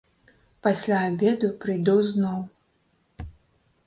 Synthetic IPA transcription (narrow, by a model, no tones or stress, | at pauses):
pasʲlʲaːbʲed̪upɾɨjd̪ɔwznɔw